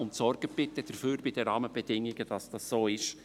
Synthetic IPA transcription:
ʊntsɔrɡ̥əb̥ɪt̪əd̥̪əɾfyːɾbɪd̥̪əɾɑːməbɛd̥̪ɪŋːɪɡəd̥ɑsd̥ɑssoːɪʃ

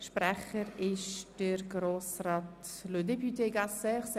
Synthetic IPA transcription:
ʃprɛχəɾɪʃd̥əɾɡɾoːsraːt̪lod̪ɛpyt̪ʰeːɡasəχs

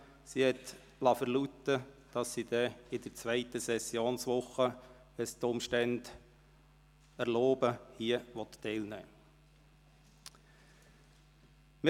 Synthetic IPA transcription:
sihɛt̪ | lɑfəɾlut̪əd̥ɑsːid̥̪ɛɪd̥̪əɾt͡sʋɛɪt̪əsɛsjoːnsʋʊχːə | ʋɛst̪ʊmʃtænd | æɾloːbəhiəʋɔt̪ːɛɪlnɛː | mɪ

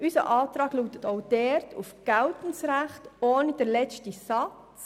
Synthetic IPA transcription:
ysə̰ʔɑːtɾɑːɡluːtətɔʊd̥ɛɾtʰufɡ̥æltən̩sɾæχtoːnid̥əɾlɛt͡ʃtisɑt͡s

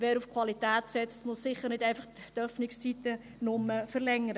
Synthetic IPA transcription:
ʋɛːɾufkʰwɑlitæːtsɛt͡stmʊssɪχəɾnɪtæɪnfɑχt | tœfnɪkst͡sitə | nʊmːəfəɾlɛŋːəɾə

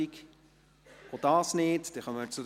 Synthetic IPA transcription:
ik | od̥ɑːsnɪːtd̥̪ɛχœməɾt͡sud

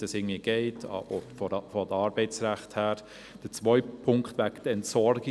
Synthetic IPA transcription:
ɑsɪːɡŋ̩ndviəɡ̥eɪtʰɔfɔfɔd̪əɑːɾbɛɪt͡sɾæχthæːɾ | d̥ət͡sʋœʏpʰːʊŋkχtʋæktəɛntsɔɾɡɪ

